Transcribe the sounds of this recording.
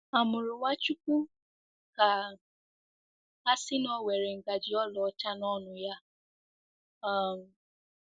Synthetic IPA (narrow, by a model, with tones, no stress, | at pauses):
a˨mʊ˨ɾʊ˨wa˦t͡ʃu˦ku˦ | ka˨ | a˦sɪ˦nɔ˦˨we˨ɾe˨ŋ̩˨ɡa˨d͡ʒi˨ɔ˦lɔ˨ɔ˦t͡ʃa˦nɔ˦nʊ˨ja˦ | a˦˨m̩˨